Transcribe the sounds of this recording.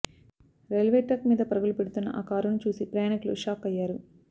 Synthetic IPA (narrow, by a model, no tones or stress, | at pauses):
ɾelʋeːʈɐkmiːd̪ɐpɐɾɐɡulupeɽut̪unːɐ̰ʔaːkaːɾunːut͡ʃuːsipɾɐjaːɳikɐlṵʂaːkɐjːaːɾu